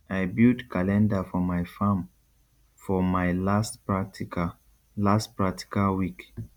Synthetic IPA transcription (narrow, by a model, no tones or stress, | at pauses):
aɪbildkʰalɛ̃ndafɔmaɪfãm | fɔmaɪlastpɹat | lastpɹak̚tʰi̥kalwik